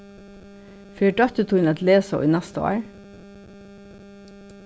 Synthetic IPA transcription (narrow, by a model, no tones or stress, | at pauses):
fyːɖɑt̪ʉt̪ʰuːn̩ɛt̪leːso̰ʔḭːnæst̪əo̰ːɹ